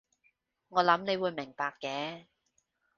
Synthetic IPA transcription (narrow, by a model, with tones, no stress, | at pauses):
ŋɔː˨˧lɐ˨˥mne˨˧jwuː˨˧jmɪ˨˩ŋpaː˧kːɛː˨˥